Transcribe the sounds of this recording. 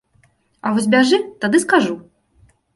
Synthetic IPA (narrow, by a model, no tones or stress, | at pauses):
avɔsʲbʲaʐɨt̪ad̪ɨskaʐu